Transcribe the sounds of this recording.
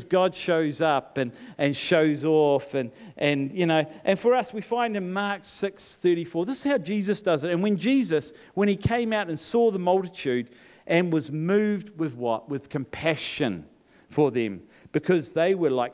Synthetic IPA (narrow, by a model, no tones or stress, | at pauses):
zɡɑd̥ʃoʊzʌpɨ̃nʔɨ̃nʃoʊzɔfɨ̃nʔɨ̃njɨnoʊʔɨ̃nfə˞ʌswifãɪ̃ndɨ̃nmɑɹksɪksθɜ˞ɾifɔɹðɪsɨ̥z̥haʊd͡ʒizɨsd̥ʌzɨɾɨ̃nwɨ̃nd͡ʒizɨs | wə̃ñikʰẽɪ̃maʊɾɨ̃nsɔðəmʌlˠtɨtʰʉɾ | ʔɨ̃nwʌzmʉvd̚wɪðwʌt̚wɨð̥kʰɨ̃mpʰæʃɨ̰̃n | fə˞ðɨ̰̃m | b̥ɨkʰʌzðeɪwə˞laɪk